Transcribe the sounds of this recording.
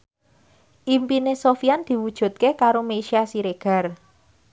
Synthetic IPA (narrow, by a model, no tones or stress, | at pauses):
ʔimpinesofiand̪̥i̤wud̥ʒ̥ṳt̪̚kekaɾomeʃiasiɾeɡ̥a̤r